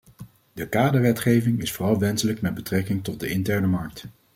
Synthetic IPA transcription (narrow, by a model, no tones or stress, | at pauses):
dəkaːdəɹʋɛtχejvɪŋɪsfoːrɑlˠʋɛnsələkmɛd̚bətrɛkɪŋtɔt̚dəɪntɛɹnəmɑɹk̚t